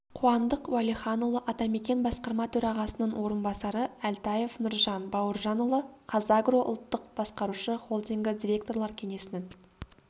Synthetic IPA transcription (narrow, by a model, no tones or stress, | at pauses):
qʰuɑnd̪əqwɑliχɑnulˠəʔɑt̪ɑme̞kʲe̞nbɑsqɑɾmɑt̪ʰɵɾɑʁɑsənəɴwo̞ɾənbɑsɑɾəælt̪ɑje̞fnʊɾʒɑnbɑwəɾʒɑnulˠəqʰɑzɑɡro̞ʔʊ̰lˠt̪ːəqb̥ɑsqɑɾuʃəχo̞lˠd̪iŋɡʲɪd̪ʲiɾʲe̞kt̪o̞rlˠɑɾkʲʰe̞ŋe̞sɪnɪŋ